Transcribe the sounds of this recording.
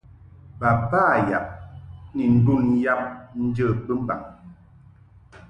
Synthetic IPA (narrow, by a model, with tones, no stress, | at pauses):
ba˨paː˦˨ja˨p̚ni˨n̩˦du˦˨n˦ja˦p̚n̩˦d͡ʒə˦˨k͡pɨ˦m̩˦ba̰˨ŋ